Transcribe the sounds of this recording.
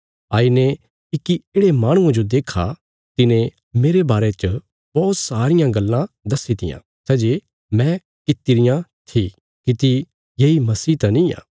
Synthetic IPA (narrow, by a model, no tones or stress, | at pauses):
aːine | ɪkieːɽemaːɽ̃ʊ̃ãd͡ʒod̪eːkʰa | t̪ɪnẽ | meːɾebaːɾet͡ʃə | bɔːt̪saːɾɪjãɡɐlːãd̪ɐsit̪ɪ̰jã̰ | sɛːd͡ʒe | mɛ̃ | kɪt̪ɪɾɪjãt̪ʰi | kit̪i | jeːimɐsiːt̪anĩja̰ː